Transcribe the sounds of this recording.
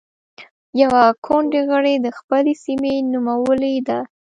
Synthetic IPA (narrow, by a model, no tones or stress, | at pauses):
jawakʰoɳɖeɣəɽed̪əxpəlesimenumawəled̪a